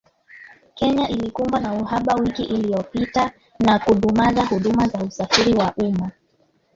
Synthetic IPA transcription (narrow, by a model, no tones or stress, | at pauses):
kɛɲaʔilikumbanauɦaɓawikiʔilijɔpita | nakuɗumazahuɗumazausafiɾiwaʔuma